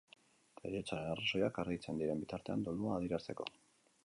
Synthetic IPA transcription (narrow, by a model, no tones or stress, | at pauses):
eɣiet͡saɾe̞naraso̞jakaɾɣit͡se̞nd̪iɾe̞mbit̪aɾt̪e̞a̰nd̪oluaːð̞iɾast̪e̞ko̞̰